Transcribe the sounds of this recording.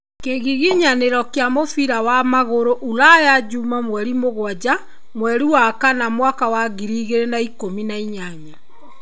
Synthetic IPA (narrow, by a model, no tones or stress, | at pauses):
keɣiɣiɲaneɾɔkjamofiɾawamaɣoɾoʔulajad͡ʒuːmamwɛɾimoɣwad͡ʑa | mwɛɾiwakanamwakawaɣiɾiːɣeɾenaikominaiɲaɲa